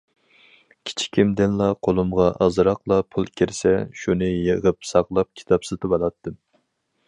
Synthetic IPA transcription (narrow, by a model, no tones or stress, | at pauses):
kʲʰi̥t͡ʃʰi̥kʲʰimd̪ɪnlˠɑqʰolˠumʁɑʔɑzɾɑqlˠɑpʰulˠkʲʰiɾsɛʃunɨjəʁəpsɑqlˠɑp̚kʲʰi̥t̪ʰɑpsɨt̪ʰɨbɑlˠɑt̪ʰːɨ